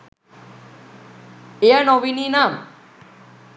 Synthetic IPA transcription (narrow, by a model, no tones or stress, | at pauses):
eanɔʋininam